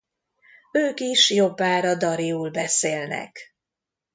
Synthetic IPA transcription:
øːkiʃjo̞bːaːɾɒd̪ɒɾiuːlbɛseːlnɛ̰k

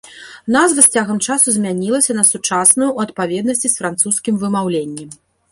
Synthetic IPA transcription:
nazvɨsʲt͡sʲaɣɐmt͡ʂasuzʲmʲanʲilˠɐsʲɐnɐsut͡ʂasnujuːɐt̪̚pavʲɛd̪̚nɐsʲt͡sʲisfɾant̪suskʲimvɨmawlʲenʲːɛ

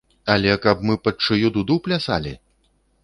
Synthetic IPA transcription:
ɐlʲɛkɐbmɨpɐt͡ʂɨjud̪ud̪uplʲasa̰lʲḭ

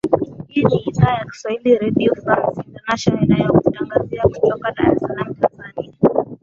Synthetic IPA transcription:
iiniːðaːjaki̥swahiliɾɛdiɔansintɛnaʃɔnɔinajakutaŋɡaziaku̥tɔkaɗa̰ɾisalam̩tanzania

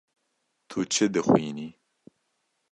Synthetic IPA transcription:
t̪ʰut͡ʃʰɨd̪ɨxwiːni

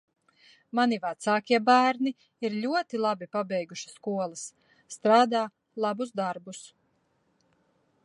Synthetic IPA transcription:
manivat̪saːkʲiɛbæːɾni | iɾʎʲuɔt̪ilˠabipabɛjɡuʃi̥skuɔlˠɐsː | t̪ɾaːd̪aː | lˠabusd̪aɾbus

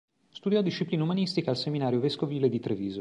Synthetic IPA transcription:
st̪ud̪jɔd̪iʃːipliːnaumanist̪ikaːlseminaːɾjoveskoviːled̪it̪ɾeviːzo

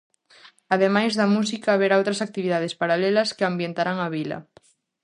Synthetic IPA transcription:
aðemajzðamus̬ikaːβeɾaawt̪ɾasak̚t̪iβiðað̞espaɾalelaskeambjent̪aɾaŋaβila̰

